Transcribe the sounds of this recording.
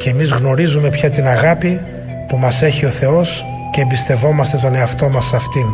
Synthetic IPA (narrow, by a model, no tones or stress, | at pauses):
ce̞ːmizɣno̞ɾizume̞pçɐt̪inɐɣɐpi | pumɐse̞çio̞θe̞o̞s | ceːmbist̪e̞vo̞mɐst̪e̞t̪o̞ne̞ɐft̪o̞mɐsɐft̪in